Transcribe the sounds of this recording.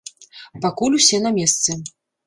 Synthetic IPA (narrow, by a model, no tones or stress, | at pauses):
pakulʲusʲɛnɐmʲɛst̪sɛ